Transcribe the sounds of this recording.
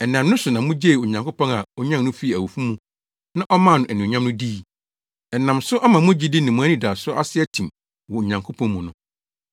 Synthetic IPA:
ɛ˨nã˨m˦nʊ̃˦sʊ˨nã˨mʊ̃˦d͡ʑe˦˨o˨ɲã˨ŋkʰo˦pʰɔ̃˦na˨ɔ˦ɲã˦m˦nʊ̃˦fi˦˨æ˨wu˨fu˦mũ˦ | nã˦ʔɔ˦mã˦˨nʊ̃˨ʔæ˨nĩ˨ɲã˦mnʊ̃˦di˦˨ | ɛ˨nã˨msʊ˦ʔa˦mã˨mʊ̃˦d͡ʑi˦dɪ˦nɪ̃˨mũ˨˦æ˦nĩ˦daː˨sʊ˦ʔa˦sɪ˦ɛ˦tʰĩ˨m | wɔ˨o˨ɲã˨ŋkʰo˦pʰɔ̃˦mʊ̃˨nʊ̃˨

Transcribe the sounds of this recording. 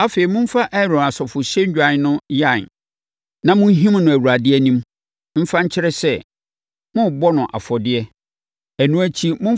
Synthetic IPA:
a˦fe˨i˨mʊ̃˦m̩˦fa˦ʔɛ˦ɾɔ̃˨na˨sɔ˨fʊ˨ɕɛ˦ɲ̩˦d͡ʑᶣa˨n˦nʊ̃˦ja˦˨n | nã˨mʊ̃˦ɦĩ˦m˦nʊ̃˨æ˨wu˨ɾa˨dɪ˦ɛ˦nĩ˦m | m̩˦fã˦ɲ̩˦t͡ɕʰɪ˦ɾɛ˦sɛ˦˨ | mʊ̃˦bɔ˦nʊ̃˨ʔa̰˨fɔ˨dɪ˦ɛ˦ | æ˨nũ˦æ˦t͡ɕʰi˦mʊ̃˦

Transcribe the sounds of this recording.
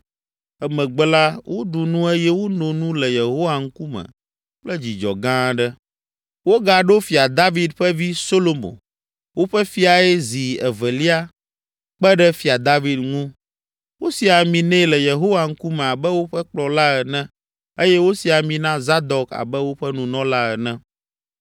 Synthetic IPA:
ɛ˦mɛ̃˨ɡ͡bɛ˦la˦wʔo˦ɖu˨nũ˦e˦jɛ˦wo˦nõ˨nũ˦lɛ˨je˨ɦo˦wa˨ŋ̩˦ku˦mɛ̰̃˨ | k͡plɛ˦d͡ʑi˨d͡ʒɔ̰˨ɡã˦ɖɛ˦ | wo˦ɡa˨ɖo˦fi˨a˨d̪a˦vi˨d̪ɸɛ˦vi˦so˦lo˨mo̰˨ | wo˦ɸɛ˦fi˦a˨ɛ˦zi˨ɛ̰˨vɛ˨li˦a˦ | k͡pɛ˦ɖɛ˦fi˨a˨d̪a˦vi˦d̪ŋũ˦ | wo˦si˨a˨mĩ˨nɛ̃˦lɛ˨je˨ɦo˦wa˨ŋ̩˦ku˦mɛ̃˨a˨bɛ˦wo˦ɸɛ˦k͡plɔ˨la˦ɛ˨nɛ̃˦ | e˦jɛ˦wo˦si˨a˨mĩ˨nã˦za˦d̪ɔ˨ka̰˨bɛ˦wo˦ɸɛ˦nũ˨nɔ̃˦la˦ɛ˨nɛ̃˦

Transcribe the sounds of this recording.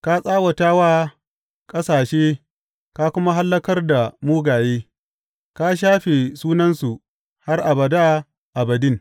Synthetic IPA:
ka˦sʼaː˦wɐ˨taː˦waː˦ | kʼɐ˦saː˨ʃeː˦ | ka˦kʷʊ˦ma˦ɦa˦lːɐ˦kɐ˦rda˨muː˦ɡaː˨jeː˦ | ka˦ʃ̬aː˦ɸe˨suː˦nɐ˦nsu˨ | ha˦rʔa˨bɐ˨da˦ | ʔa˨bɐ˨dɪ˦ŋ

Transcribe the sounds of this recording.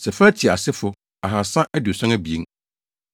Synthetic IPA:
sɛ˨fa˦tʰi˨a̰˨sɪ˦fʊ˨ | a˨ɦa˨sã˦ʔɛ˦du˨sã˦næ˦bi˨ḛ˦ŋ

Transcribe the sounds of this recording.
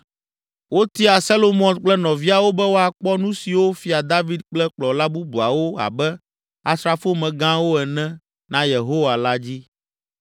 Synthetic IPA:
wo˦t̪i˦a˨sa˦lo˦mɔ̃˨nk͡plɛ˦nɔ̃˨vi˦a˨wo˦bɛ˦wo˦a˨k͡pɔ˦nũ˦si˨wo˦fi˦a˨d̪a˦vi˦d̪̚k͡plɛ˦k͡plɔ˨la˦bu˦bu˨a˨wo˦a̰˨bɛ˦ | a˨sɾa˨fo˦mɛ̃˨ɡã˦wo˦ɛ˨nɛ̃˦ | nã˦je˨ɦo˦wa˨la˦d͡ʑi˦

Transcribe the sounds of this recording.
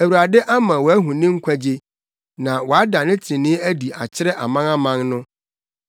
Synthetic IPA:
æ˨wu˨ɾa˨dɛ˦ʔa˦mã˨wɔ˨æ˦ɦũ˨nɪ̃˦ŋ̩˦kʷʰæ˦d͡ʑe˦ | nã˨wɔ˨a˦da˨nɪ̃˦tʰĩ˨nɪ̃˦æ˦di˨a˨t͡ɕʰɪ˦ɾɛ˦ʔa˨mã˦na˦mã˦ŋnʊ̃˦

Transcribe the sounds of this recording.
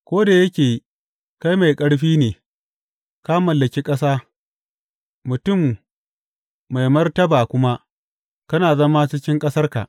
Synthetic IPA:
kʷoː˦da˨jɐ˦kʲeː˨ji˦ | ka˦jma˨jkʼɐ˦ɽɸiː˦neː˨ | ka˦mɐ˨lːɐ˨kʲiː˦kʼɐ˦s̬aː˦ | mʊ˨tʊ˦˨m | a˨jmɐ˦rtɐ˦baː˨kʷʊ˦ma˦ | kɐ˦naː˨zɐ˦ma˦t͡ʃɪ˦kʲɪ˦ŋkʼɐ˦sɐ˦rka̰˨ʔ

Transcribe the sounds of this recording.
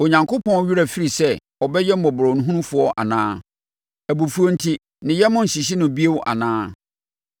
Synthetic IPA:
o˨ɲã˨ŋkʰʊ˦pʰɔ̃˦n˦ɥi˦ɾa˨fi˦ɾi˨sɛ˦ | ɔ˨bɛ˦jɛ˦m̩˦ɔ˨bʊ˨ɾɔ˨nũ˦ɦũ˦ũ˦fʊ˨˦ɔ˦ʔa̰˨nãː˦ | æ˨bu˨fu˨˦o˦n̩˦tʰi˦ | nɪ̃˨jɛ˦mʊ̃˦n̩˨ɕi˨ɕ̬i˦nʊ̃˨bi˦e˦wʊ˦ʔa̰˨nãː˦

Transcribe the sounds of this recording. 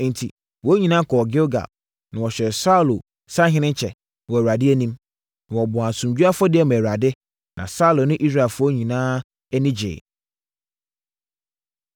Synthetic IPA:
n̩˨tʰi˨ | wɔ˨˦ɲĩ˨nãː˦kʰɔː˨ɡɪ˦o˦ɡa̰˨b̚ | nã˨wɔ˨ɕᶣɛ˨sa˦˨lo˨ | sa˦ɦɪ̃˦nɪ̃˦ɲ˦t͡ɕʰɛ˨ | wɔ˨wa˨dɪ˦æ˦nĩ˦m̃˨ | wɔ˨bɔ̃˨a˨sũ˨md͡ʑu˦a˦fɔ˦dɪ˦ɛ˨mɛ˨ɾa˨dɪ˦ | nã̰˨sa˦u˨lo˨nʊ̃˦ʔi˦s̬ɾa˦˨fʊ˦ɔ˦ɲĩ˨nãː˦ | nĩ˦d͡ʑḛː˨

